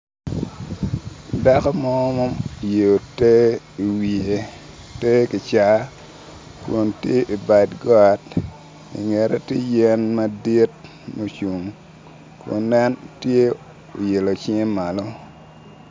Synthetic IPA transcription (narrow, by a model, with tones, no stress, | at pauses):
da˦kɔ˦mɔ˦mo˦m˨je˨o˨te˦ | i˨wi˨e˨ | te˦ki˨t͡ʃa˨ | ko˨ntje˦ʔi˨ba˨dɡɔ˦a˨t | ḭ˨ŋe˨ɾe˦te˦jɛ˦nma˦di˦t̚ | mo˨t͡ʃu˨ŋ | ko̰˨nːɛ˦ntje˦ | o˨je˨lo˨t͡ʃi˦ŋ˦ma˨lo˦